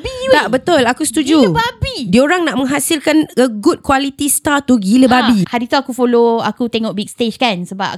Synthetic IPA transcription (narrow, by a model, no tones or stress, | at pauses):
bit̪aʔbət̪ʊlakusə̥t̪ud͡ʒubabidioɾaŋnaʔmə̃ŋɦasilkanəɡut̪̚kwalit̪ist̪at̪uɡiləbabihaɾit̪uakufoloakut̪eŋɔʔ̚bik̚st̪ed͡ʒkansəba̰